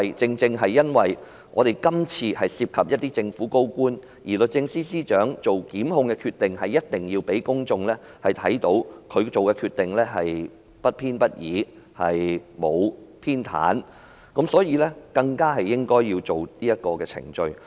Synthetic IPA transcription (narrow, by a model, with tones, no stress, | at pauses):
jt͡sɪ˧ŋt͡sɪ˧ŋɦɐ˨jːɐ˥nwɐ˨j | ŋʔɔː˨˧t̪e˨jkɐ˥mt͡sʰiː˧hɐ˨jsiː˧p̚kʰɐ˨p̚jɐ˥t̚t̪iː˥t͡sɪ˧ŋfuː˨˥ko˥wkuː˥n | jiː˨˩lɵ˨t̚t͡sɪ˧ŋsiː˥siː˥t͡ʃœː˨˥ŋt͡so˨wkiː˨˥mhʊ˧ŋkɛ˧kʰyː˧t̪ɪ˨ŋɦɐ˨jːɐ˥t̚t̪ɪ˨˩ŋjiː˧wpe˨˥jkʊ˥ŋt͡sʊ˧ŋlɛː˥ | hɐ˨˩jt̪ʰɐ̰˨˥jt̪o˨˥wkʰɵ˨˧ɥt͡so˨wkɛ˧kʰyː˧t̚t̪ːɪ˨ŋlɛː˥ɦɐ˨j | pɐ˥t̚pʰiː˥npɐ˥t̚jiː˨˥ | hɐ˨jmo˨˧wpʰiː˥nt̪ʰa̰ː˨˥n | kɐ˨˥msɔː˨˥jiː˨˧lɛː˥kɐ˧ŋkaː˥hɐ˨jːɪ˥ŋkɔː˥jːiː˧wt͡so˨wniː˥jɐ˥t̚kɔː˧kɛː˧t͡sʰɪ̰˨˩ŋt͡ʃɵ˧ɥ